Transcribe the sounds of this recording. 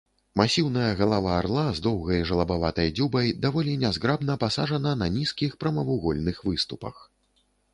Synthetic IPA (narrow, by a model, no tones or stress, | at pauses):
masʲiwnɐjɐɣɐlˠavaːrlˠazd̪ɔwɣɐjʐɐlˠɐbavat̪ɐjd͡zʲubɐjd̪avɔlʲinʲazɣɾabn̪ɐpasaʐɐnɐnɐnʲiskʲixpɾɐmɐvuɣɔlʲnɨxvɨst̪upɐ̰x